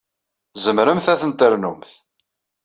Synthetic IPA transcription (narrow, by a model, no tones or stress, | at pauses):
zəmɾəmθæθənt̪ˤeɾnumθ